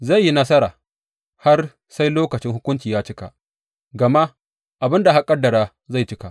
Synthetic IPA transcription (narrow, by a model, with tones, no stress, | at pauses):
za˦˨jːi˦nɐ˦sɐ˦ɾaː˨ | ha˦r | sa˦jloː˦kɐ˨t͡ʃɪ˦ŋhʊ˦kʷʊ˦nt͡ʃiː˨jaː˦t͡ʃɪ˦ka̰˨ʔ | ɡɐ˨ma˦ʔ | ʔa˨bɪ˦nda˨ɦa˦kʼɐ˦dːɐ˨ɾaː˦ | za˦˨jt͡ʃɪ˦ka˨ʔ